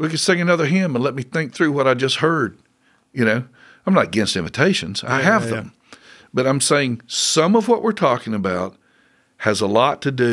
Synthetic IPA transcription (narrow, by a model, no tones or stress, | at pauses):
wikɨ̃nseɪɨnʌðə˞ɦɪ̃mə̃nlɛt̚miθɪ̃ŋk̚θɹʉwʌɾaɪd͡ʒʌst̚hɜ˞d̚ | jɨnoʊ | ãɪ̃mnəɾəɡɛ̃nstɪ̃ɱvɨtʰeɪʃɨ̃nz̥a̰ɪɨvðə̃m | b̥ʌɾãɪ̃mseɪɪ̃ŋsʌ̃mʌvwʌʔwʔɪɹtʰɔkɪ̃ŋɨbaʊt̚ | hɨzəlɔtʰɨdʉ